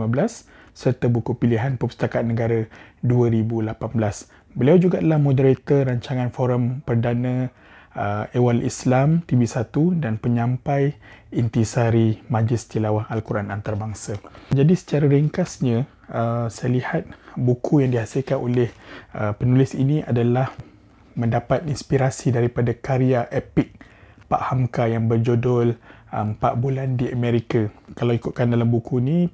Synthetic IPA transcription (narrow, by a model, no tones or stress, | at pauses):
mabəlas | sərt̪abukupiliɦanpəpə̥st̪akat̪̚nəɡaɾaduaɾibulapanbəlas | bəliawd͡ʒuɡaʔdəlahmõdəɾit̪əɾaɲt͡ʃaŋãnfoɾampərdanə̃ | əewalʔḭslamt̪ibisat̪udanpəɲãmpajint̪isaɾimãd͡ʒɪst̪ilawahalkuɾanant̪aɾbaŋsad͡ʒadisə̥t͡ʃaɾaɾiŋkasɲã | əsajlihat̪̚bukʰujaŋdiɦasɪlkanolɪhəpənulɪsiniʔadalah | mə̃ndapat̪inspiɾasidaɾipadakaɾiaʔepɪk̚paʔhamkajaŋbərd͡ʒodɔləmpaʔbulandiəmeɾikakalawikut̪̚kandalambukuni